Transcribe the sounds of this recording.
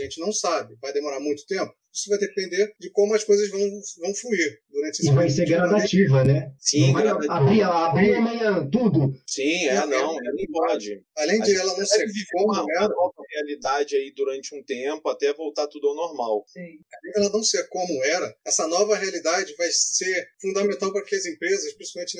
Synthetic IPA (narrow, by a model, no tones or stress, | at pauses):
ʒẽnt͡ʃɪnɐ̃w̃sabɪvajd̪emoɾaɾmũj̃t̪ʊ̥t̪ẽmpʊ̥ | i̥sʊvajd̪epẽnd̪eɾd͡ʒɪkõmʊɐʃkojzɐzvɐ̃w̃vɐ̃w̃fluiɾd̪uɾɐ̃nt͡ʃɪesɪvajseɾɡɾad̪at͡ʃivɐnɛsĩaabɾiɛlɐːbɾiamɐ̃ɲɐ̃t̪ud̪ʊsĩɛnɐ̃w̃ɛlɐnɐ̃w̃pɔd͡ʒɪalẽj̃d͡ʒɪɛlɐnɐ̃w̃sekõm̃ɛɾɐɔvɐhealid̪ad͡ʒɪaid̪uɾɐ̃nt͡ʃɪũt̪ẽpʊat̪ɛvowt̪at̪ud̪ʊawnoɾmawsĩalẽd͡ʒɛlɐnɐ̃w̃seɾkõmʊɛɾɐɛsɐnɔvɐɦealid̪ad͡ʒɪvajseɾfũd̪ɐmẽnt̪awpɐɾɐkɪɐzẽmpɾezɐʃpɾĩsi̥pawmẽt͡ʃɪ